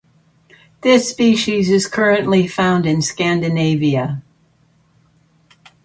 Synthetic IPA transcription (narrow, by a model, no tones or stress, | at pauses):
ðɪspiʃizɨz̥kʰɜ˞ɨ̃nʔlifãʊ̃ndɨ̃nskæ̃ndɨneɪviɨ